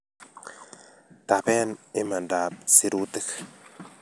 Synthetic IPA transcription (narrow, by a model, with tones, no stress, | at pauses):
t̪a˨pɛ˦ni˦ma˨ndaː˨p̚si˦ɾu˦t̪i˦k